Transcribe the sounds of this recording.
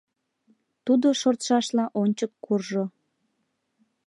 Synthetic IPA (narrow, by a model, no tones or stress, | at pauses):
t̪ud̪oʃort̪ʃɑʃlɑʔonʲt͡ɕəkːurʒo